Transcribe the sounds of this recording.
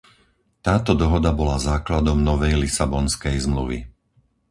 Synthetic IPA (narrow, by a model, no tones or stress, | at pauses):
t̪aːt̪ɔd̪ɔɦɔd̪abɔlazaːklad̪ɔmnɔʋɛjlisabɔnskɛjzmluʋḭ